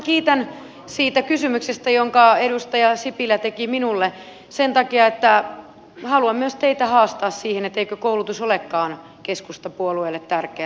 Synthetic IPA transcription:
kiːt̪æn | siːt̪ækysymyksest̪æjoŋkɑeɾust̪ɑjɑsipilæt̪ekiminulːe | sent̪ɑkiɑet̪ːæ | hɑluɑmmyøst̪eit̪æhɑːst̪ɑːssiːhenet̪eikøkoulut̪usolekːɑːn | keskust̪ɑpuolueːlːet̪tærkeæ

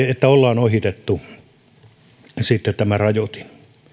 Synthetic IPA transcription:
et̪ːæolːɑːnohit̪et̪ːu | sit̪ːet̪ːæmærɑjot̪i̥n

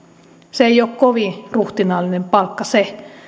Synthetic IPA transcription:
seeijoːkkoʋiruht̪inɑːlːinempɑlkːɑse

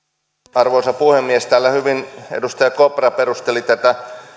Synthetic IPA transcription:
ɑrʋosɑpuhemːiest̪æːlːæhyʋinḛdust̪ɑjɑkoprɑperust̪elit̪æt̪æ

